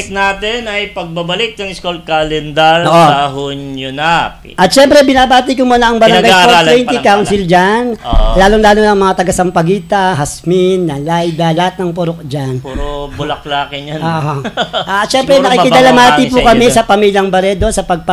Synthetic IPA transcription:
snaːt̪ɛnɐjpɐɡ̚babɐlɪk̪̚nɐŋɪskolkalɛnd̪ɐloʔoaɦuɲʊnap | ʔɐt̪̚ʃɛmpɾɛbɪnabaːt̪ikʊmuːnɐʔɐŋbɐɾɐŋɡajfoɾt̪wɛnt̪ikaʊnsɪld͡ʒanlaːlʊŋlaːlonɐŋmɐŋat̪ɐɡasɐmpɐɡiːt̪ɐɦɐsminːɐlajd̪ɐlɐhat̪̚nɐŋpoɾok̚d͡ʒanpːobʊlɐk̚laːkɪnoʔoʔat̪ʃɛmpɾɛnɐkikɪd̪ɐlamaːɪp̬ukɐmɛsɐpɐmiːljɐŋbɐɾɛd̪o̞sɐpɐɡ̚p

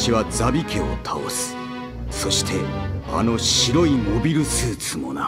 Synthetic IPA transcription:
iβad͡zabʲikʰe̞o̞̰t̪ʰao̰sɨ̥ | so̞ɕi̥t̪ʰe̞a̰no̞ɕiɾo̞imo̞bʲiɾɯ̟sɨːt͡sɨmo̞̰na

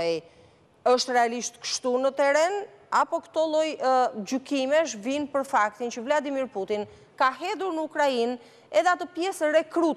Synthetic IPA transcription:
əʃt̪rɛaliʃt̪kə̥ʃt̪unət̪ɛɾɛnapɔkt̪ɔlˠɔjd͡ʒykimɛʃ̬vinpəɾfak̚t̪int͡ʃəvlad̪imiɾput̪in | kaɦɛðuɾnəukɾain | ɛðɛat̪əpjɛsɛrɛkɾut̪

